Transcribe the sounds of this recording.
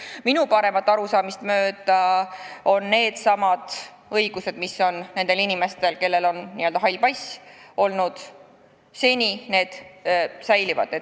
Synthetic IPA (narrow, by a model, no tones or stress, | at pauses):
minupɑɾe̞mɑt̪ːˑɑɾusɑːmist̪mø̞ːd̪̥ɑ | o̞nːe̞ːd̪̥sɑmɑd̪̥ | ɤ̞jɡ̥use̞d̪̥miso̞nne̞nd̪̥e̞linʲime̞st̪e̞lke̞lːe̞lo̞nnḭøld̪ɑɦɑjlpɑjso̞lnud̪̥ | se̞nʲine̞ːd̪̥sæjlivɑ̰d̪e